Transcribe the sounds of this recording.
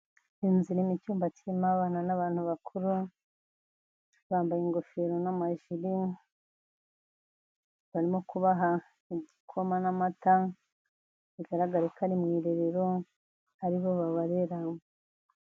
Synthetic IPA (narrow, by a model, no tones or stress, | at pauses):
inziɾimicuːmbatʰimaβananaβaːn̥huβakʰuɾu | βaːmbajiŋɡo̞feɾo̞namaʒiɾi | βaɾimo̞kuβaɦa | iɟikʰo̞manamata | βiɡaɾaɡaɾekanimŋiːɾeɾeɾo | aɾiβo̞βaβaɾeɾawo